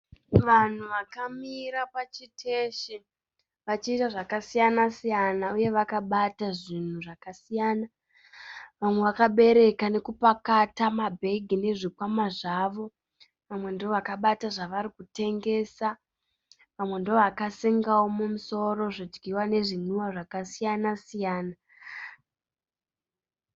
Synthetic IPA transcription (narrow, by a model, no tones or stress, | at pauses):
ʋan̤uʋakamiɾapat͡ʃitʰeʃi | ʋat͡ʃiːtaʐakasijanasijanauje̞ʋakaɓataʐin̤uʐakasijaːna | ʋamweʋakaɓe̞ɾe̞kane̞kupakatamabʱe̞ɡʱine̞ʐikwamaʐaːʋo̞ | ʋamwe̞ndooʋakaɓataʐaʋaɾikute̞ŋɡe̞ːsa | ʋamwe̞ndooʋakasiŋɡawomumuso̞ɾo̞ʐid͡ʒɡiwane̞ʐinuwaʐakasijanasijaːna